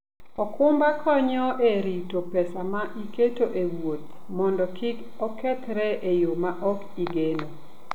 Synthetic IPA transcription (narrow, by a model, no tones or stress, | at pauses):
ɔkʊmbakʰɔɲɔʔeɾitopɛsamaʔiketoʔewot̪̚ | mɔndɔkʰɪk | ɔkɛt̪ɾɛʔejomaʔɔk | iɡeno